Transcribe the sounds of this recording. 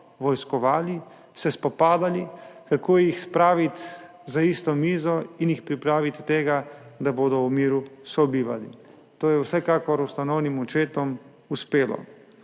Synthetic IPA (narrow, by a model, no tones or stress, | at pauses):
ʋɔjskɔʋaːli | sɛspɔpaːd̪alikakoːjɛixspɾaːʋit̪ | zaist̪ɔmiːzɔinjixpɾipɾaːʋit̪t̪eːɡad̪aboːd̪ɔumiːɾusɔbiːʋa̰lḭ | t̪oːjɛwsɛkakɔɾust̪anɔwnimut͡ʃeːt̪ɔm | uspeːlɔ̰